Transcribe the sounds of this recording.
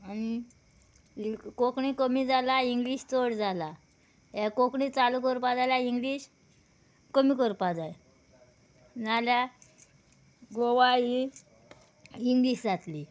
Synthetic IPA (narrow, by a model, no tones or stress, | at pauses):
añi | kokɳikəmiːd͡zalaiŋɡliːɕt͡soɽd͡zala | jakokɳit͡salukəɾpad͡zalaiŋɡliɕ | kəmiːkəɾpad͡zaj | nalja | ɡoʋaji | iŋɡliːɕd͡zat̪li